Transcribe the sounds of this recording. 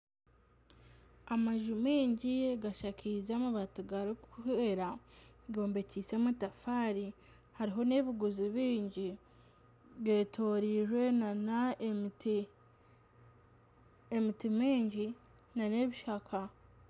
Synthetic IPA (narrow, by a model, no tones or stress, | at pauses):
amaʒumiːɲɟijeɡaʃakʰizamaβatuɡaɾikuheɾaɡo̞ːmbe̞cise̞mutafaːɾi | haɾiɦo̞ne̞βiɡuziβiːɲɟi | ɡe̞ːtʰo̞ɾiʒwe̞nanat | emitimiːɲɟi | naneβiʃakʰa